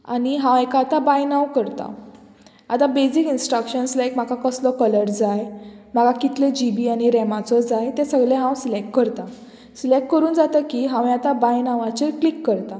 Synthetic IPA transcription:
a̰ñiɦãwekaːt̪abajnawkəɾt̪a̰ | at̪abesikinsʈɾəkɕənslaekm̤akakəslɔkələɾd͡zajm̤aɡakit̪led͡ʑibiːaɽ̃iɾɛmat͡sɔd͡zajt̪ɛsəɡɭẽɦãwsilek̚ʈkəɾt̪a | silek̚ʈ̚kəɾuːnd͡zat̪əkiɦãʋẽat̪abajnaʋat͡ɕeklikːəɾt̪a

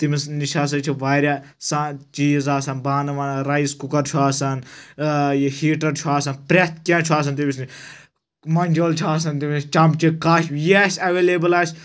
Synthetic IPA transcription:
t̪imisniʃaːs̬ɐt͡ʃʰiʋaːɾʲjaː | sãːt͡ʃiːzaːsɐnbaːnɐʋɐnɾɐiskukɐɾt͡ʃʰuaːsɐn | jehiːʈɐɾt͡ʃʰuaːsɐnpɾet̪̚ʰkʲãːt͡ʃʰuaːs̬ɐnt̪imisi | mɐnʲd͡ʒoːlt͡ʃʰuaːs̬ɐnt̪imist͡ʃɐmt͡ʃikaːʃjesʲɐʋeːleːbɐlaːsʲ

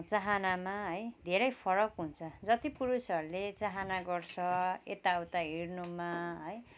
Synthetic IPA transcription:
t͡saɦanamaɦʌjd̪ʱeɾʌjpʰʌɾʌkɦunt͡sʰʌd͡zʌt̪ipuɾusʌɾulet͡saɦanaɡʌrt͡sʰʌḛt̪awt̪aɦirnumaɦʌj

